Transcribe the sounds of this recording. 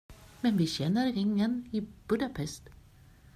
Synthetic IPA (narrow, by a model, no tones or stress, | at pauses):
mɛnʋiːçɛnːəɾɾɪŋːəniːb̥ɵd̪ɑpʰɛst̪